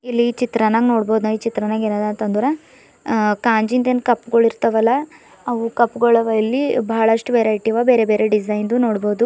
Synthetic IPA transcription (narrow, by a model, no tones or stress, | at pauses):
ilːit͡ʃit̪ɾɐnaːɡnoːɽboːd̪unait͡ʃit̪ɾɐnaːɡeːnaːd̪ɐnt̪ɐnd̪uɾɐ | kaːɲd͡ʒind̪enkɐpːɡɐɭiɾt̪ɐʋɐlːɐ | ɐʋukɐpːɡɐɭɐʋɐlːibɐɦɐɭɐʂʈuʋeːɾɐjʈiʋaːbeːɾebeːɾeɖisɐjnd̪unoːɽboːd̪u